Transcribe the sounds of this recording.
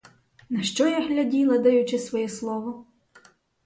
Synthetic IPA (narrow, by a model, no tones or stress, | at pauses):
nɐʃt͡ʃɔjaɦlʲɐdʲilˠɐd̪ɐjʊt͡ʃɪsʋɔjɛslˠɔʋɔ